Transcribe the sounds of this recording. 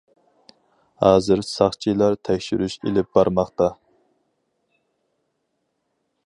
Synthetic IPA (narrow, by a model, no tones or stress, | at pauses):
hɑːzɨɾsɑχt͡ʃʰilˠɑɾt̪ʰɛkʲʃyɾyʃḛlɪp̚b̥ɑɾmɑχt̪ɑ